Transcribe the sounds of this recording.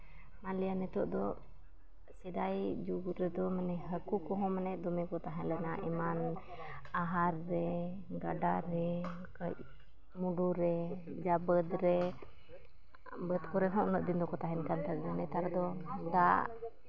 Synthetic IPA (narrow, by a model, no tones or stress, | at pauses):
manlijanɛt̪ɔʔd̪ɔ | sɛd̪ajd͡ʒuɡuɾɛd̪ɔmanɛɦəkukɔɦɔ̃manɛd̪ɔmɛkɔt̪aɦɛlɛnaʔiman | aɦaɾːɛ | ɡaɖaɾɛ | kəc̚ | muɖuɾɛ | d͡ʒabəd̪ɾɛ | bəd̪kɔɾɛnɦɔʔnəʔ̚d̪ind̪ɔkɔt̪aɦɛnkant̪aɾɛnanɛt̪aɾɛd̪ɔd̪a̰ʔ